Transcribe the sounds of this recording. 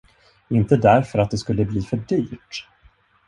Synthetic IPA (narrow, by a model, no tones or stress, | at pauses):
ɪnt̪əd̪æɾfœɾat̪̚d̪ɛskɵlːəbliːfœɖyːʈ